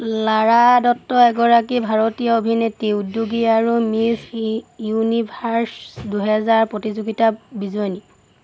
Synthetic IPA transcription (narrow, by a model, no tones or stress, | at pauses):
laɹadɔtːɔɛɡɔɹakibʱaɹotijɔobʱinetiudjuɡiaɹumisjunibʱaɹsduɦɛzaɹpɹotizuɡitabizɔjni